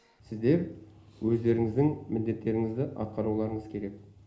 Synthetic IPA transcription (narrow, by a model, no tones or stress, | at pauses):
sɪzd̪e̞ɾwɵzd̪e̞ɾɪŋɪzd̪ɪŋmɪld̪e̞t̪ːe̞ɾɪŋɪzd̪ɪʔɑ̰t̪̚qɑɾuwlˠɑɾəɴəzkʲʰe̞ɾe̞k̚